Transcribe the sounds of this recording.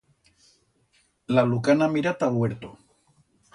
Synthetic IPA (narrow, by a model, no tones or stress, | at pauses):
lalukanamiɾat̪aβweɾt̪o